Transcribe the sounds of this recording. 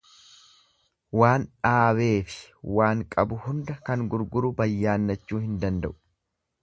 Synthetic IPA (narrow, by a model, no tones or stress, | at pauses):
waːnᶑaːβe̞ːfɪ̥waːŋkʼɐbʊhʊnd̪ɐkɐŋɡʊɾɡʊɾʊbɐjːaːnːɐt͡ʃːuːhɪnd̪ɐnd̪ɐ̰ʔʊ̥